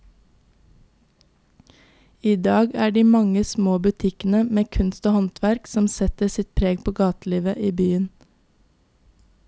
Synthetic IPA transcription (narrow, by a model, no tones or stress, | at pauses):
iːd̪ɑːɡæːɖiːmɑŋəsmoːbʉt̪ʰɪkən̩əmeːkʰʉnst̪oːhɑnt̪ʰʋæɾksɔmsɛt̪əsɪt̪̚pʰɾeːɡpʰoːɡɑːt̪liːʋəʔiːbyːən